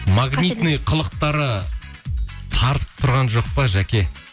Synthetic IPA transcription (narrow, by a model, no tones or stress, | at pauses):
maɡnʲijt̪nɨjqʰəlˠəq̚t̪ɑɾə | t̪ʰɑɾt̪ə̥p̚t̪ʰʊɾʁɑnʒo̞q̚pɑʒækʲe̞